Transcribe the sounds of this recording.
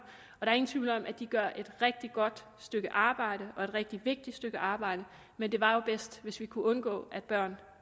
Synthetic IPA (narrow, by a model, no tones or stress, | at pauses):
ɒɾ̥ɑ̈æɐe̝ŋn̩t͡sʰʋiːʊləɒ̽mʔæd̥iɡ̥ɶɐ̰ʔe̝d̥ʁɛɡ̥̚d̥iɡ̥ɒ̽d̥ | sd̥øɡ̥əʔɑ̈ːb̥ɑ̈ɪ̰ɾ̥əʔɒ̽e̝d̥ʁɛɡ̥̚d̥iʋe̝ɡ̥̚d̥id̥sd̥øɡ̥əʔɑ̈ːb̥ɑ̈ɪ̰ɾə | mend̥e̝ʋɑ̈jo̝b̥esd̥ʋe̝sʋikʰuɔ̽nɡ̥ɔ̰̽ːʔæd̥̚b̥ɶɐ̰n